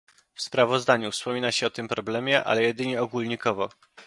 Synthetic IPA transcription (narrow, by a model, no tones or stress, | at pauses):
fspɾavɔzd̪aɲufspɔmʲinaɕɛɔt̪ɘmpɾɔblɛmʲjɛʔa̰lɛjɛd̪ɘɲɛɔɡulɲikɔvɔ